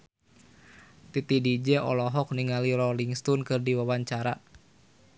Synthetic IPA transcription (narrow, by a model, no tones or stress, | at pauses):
t̪it̪idid͡ʒɛʔɔ̰lɔɦɔk̚niŋaliɾɔliŋst̪ɔnkɨrdiwawaɲt͡ʃaɾa